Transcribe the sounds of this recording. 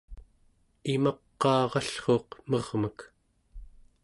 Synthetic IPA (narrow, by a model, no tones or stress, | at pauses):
imɑqːɑːʁɑɬχo̞ːqmʌʁmək